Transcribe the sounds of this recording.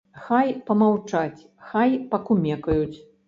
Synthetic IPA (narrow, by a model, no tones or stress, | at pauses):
xajpɐmawt͡ʂat͡sʲ | xajpɐkumʲɛkɐjut͡sʲ